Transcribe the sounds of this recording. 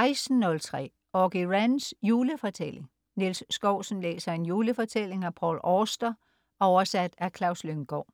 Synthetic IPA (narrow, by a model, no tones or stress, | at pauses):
ʔɑ̈ɪsn̩ːɔ̽lt͡sʰʁɛ̰ː | ɒɡ̥iʁænsjuːləfɒ̽t͡sʰel̰e̝ŋ | nilsːɡ̥ɒʊ̰sn̩lḛːsɐe̝njuːləfɒ̽t͡sʰel̰e̝ŋæpʰɒ̰ːlɒːsd̥ɐ | ʔɒʊɐsæd̥ækʰlɑ̈ʊsløŋɡ̥ɒ̰ː